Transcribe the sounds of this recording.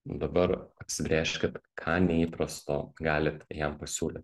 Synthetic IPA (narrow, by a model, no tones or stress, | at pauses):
d̪ɐbɐɾɐpʲsʲɪbʲɾʲæːʃʲkʲɪt̪kʰɑːnʲɛiːpɾɐst̪oːɡɑːlʲɪt̪jɛmpɐsʲuːlʲet̪